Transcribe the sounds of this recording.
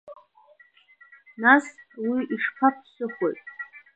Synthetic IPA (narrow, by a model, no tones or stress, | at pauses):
naswiiʂpʰapʰsɨχʷo̰jtʼ